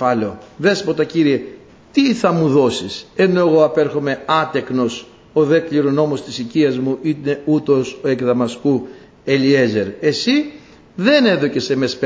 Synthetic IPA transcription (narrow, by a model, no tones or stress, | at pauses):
ɐleo̞ðe̞spo̞t̪ɐciɾie̞ | t̪iθɐmuðo̞sise̞no̞e̞ɣo̞ɐpeɾxo̞me̞ɐt̪e̞kno̞s | o̞ðe̞kliɾono̞mo̞st̪isiciɐzmuʔineut̪o̞soe̞kðɐmɐsku | e̞lie̞ze̞ɾe̞si | ðe̞ne̞ðo̞ce̞se̞me̞sp